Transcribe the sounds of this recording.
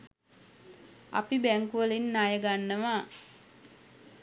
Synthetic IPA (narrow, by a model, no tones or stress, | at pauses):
a̰pibæŋkuʋəlinːajəɡanːəʋa